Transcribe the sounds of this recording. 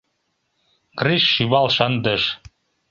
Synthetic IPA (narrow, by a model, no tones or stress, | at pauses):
kriʃːyβɑlˠʃɑnd̪ɤ̆ʃ